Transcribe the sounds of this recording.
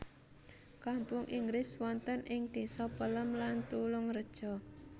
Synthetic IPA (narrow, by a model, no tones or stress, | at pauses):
kampʊŋʔiŋɡɾɪswɔnt̪ənɪŋd̪̥i̤sɔpələmlant̪ulʊŋrəd̥ʒ̥ɔ̤